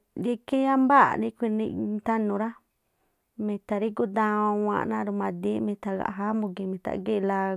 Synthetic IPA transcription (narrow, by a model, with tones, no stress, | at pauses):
ji˦ke˦a˦mba̰˦˨nĩ˦kʷi˧nḭ̃˧t̪a˦nũ˧ɾa˦ | mĩ˧t̪a˧ɾi˦ku˦d̪ã˧ã˧wã̰˧ʔnã˦ɾu˧mã˧d̪i˦mĩ˧t̪a˧˨ɣa̰˨ɦa˦mũ˧ki˧mĩ˧˨t̪a̰˨ɡe˦˧la˧